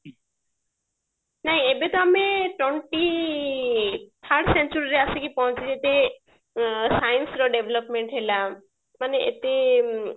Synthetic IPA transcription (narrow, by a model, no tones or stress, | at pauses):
naɦĩebet̪ɔameʈɔɳʈi | t̪ʰaɾʈsent͡ʃuɾiɾeasekipɔɦɔ̃t͡ʃʰiet̪e | sajnsɾɔɖebʱelɔpmeɳʈɦela | maneʔḛt̪e